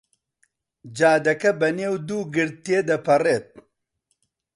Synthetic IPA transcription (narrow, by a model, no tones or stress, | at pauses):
d͡ʒaːd̪ɐkɐbɐneːwd̪uːɡɨɾ̚t̪ːeːd̪ɐpʰɐreːt̪̚